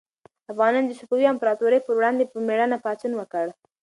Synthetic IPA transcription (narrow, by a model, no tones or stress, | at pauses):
afɣɑnɑnd̪əsupuwiampaɾɑt̪uɾəjpəɾwɽɑnd̪epəmeɽənapɑt͡sunwəkəɽ